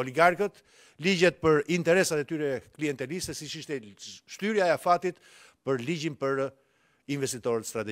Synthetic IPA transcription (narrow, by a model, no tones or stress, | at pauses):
ɔliɡaɾkət̪ | lid͡ʑɛt̪̚pəɾint̪ɛɾɛsat̪ɛt̪yɾɛkliɛnt̪ɛlisɛsit͡ʃiʃt̪ɛʃt̪yɾjaɛafat̪it̪ | pəɾlid͡ʑinpəɾ | invɛst̪it̪ɔɾət̪st̪ɾat̪ɛ